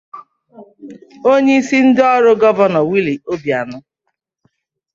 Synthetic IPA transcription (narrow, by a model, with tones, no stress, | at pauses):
o˦ɲe˦i˦si˦n̩˦dɔ˦ɾʊ˦ɡɔ˦vɔ˦nɔ˨wi˦li˨o˦bja˨nʊ˦